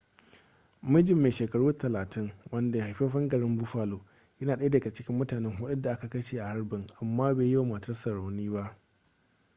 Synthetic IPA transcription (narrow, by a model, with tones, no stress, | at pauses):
mɪ˦d͡ʒɪ˨mːeː˨ʃeː˨kɐ˨ɽuː˦tɐ˨laː˨tʰɪ˦ŋwɐ˦nda˨ja˨ha˨jɸeː˦ɸɐ˦ŋɡɐ˨ɽɪ˦mbʊ˦ɸaː˨loː˨ | jɐ˦naː˨ɗɐ˦a˦da˨ɡa˨t͡ʃɪ˦kʲɪ˦mːʊ˦taː˨nɛ˦ŋɦʊ˦ɗʊ˦da˨ʔa˦ka˨kɐ˦ʃeː˨ʔa˨ha˦ɽbɪ˨ŋʔa˨mːaː˦beː˨ji˦wa˨mɐ˨tɐ˦rsɐ˨ɽa˨wniː˦ba˦ʔ